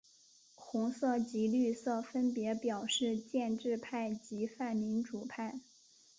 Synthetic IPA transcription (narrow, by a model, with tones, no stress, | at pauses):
xʊ˧˥ŋsɤ˥˩t͡ɕi˧˥ly˥˧sɤ˥˩fə˥npjɛ˧˥pjɑ˨˩ʊʂɻ̩˥˧t͡ɕjɛ˥˧nʈ͡ʂɻ̩˥˧pʰa˥˩ɪt͡ɕi˧˥fa˥˩nmi˧˥nʈ͡ʂu˨˩pʰa˥˩ɪ